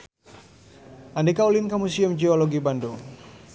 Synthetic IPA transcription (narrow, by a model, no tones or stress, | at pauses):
ʔandikaulinkamusiumd͡ʒiɔloɡibando